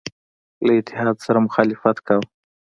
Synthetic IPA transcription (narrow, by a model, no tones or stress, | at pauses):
laɪt̪ːɪɦɑd̪saɾamʊxɑlɪfat̪kaw